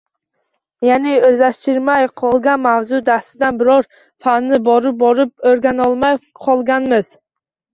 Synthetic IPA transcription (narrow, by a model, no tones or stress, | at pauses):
janɪɵzaʃt̪ɪɾmajqʰɒlˠɡʲanmawzʊd̪afsɪd̪anbɪɾɒɾ | fanːɪbɒɾɪp̚bɒɾɪp̚oɾɡʲanɒlˠmaj | qʰɒlˠɡʲanmɪz̥